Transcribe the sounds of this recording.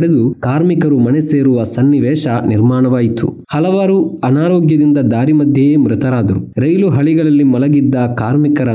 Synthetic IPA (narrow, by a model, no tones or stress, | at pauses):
ɽed̪ukaːɾmikɐɾumɐneseːɾuʋɐsɐnːiʋɛːʃɐniɾmaːɳɐʋaːjit̪ṵ | hɐlɐʋaːɾuɐnaːɾoːɡjɐd̪ind̪ɐd̪aːɾimɐd̪ʱjɐmɾɪt̪ɐɾaːd̪ɐɾṵɾɐjluɦɐɭiɡɐɭɐlːimɔlɐɡid̪ːɐkaːɾmikɐɾɐ